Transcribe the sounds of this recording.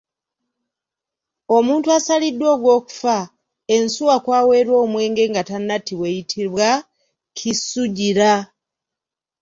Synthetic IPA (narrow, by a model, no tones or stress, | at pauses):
o̞muːntuasalidːwo̞ːɡwo̞ːku̥fa | e̞nsuwakwaːwe̞ːɾwo̞ːmwe̞ːŋɡe̞ːŋɡatanːatiwejitʰiβwa | kʰisuɟiɾa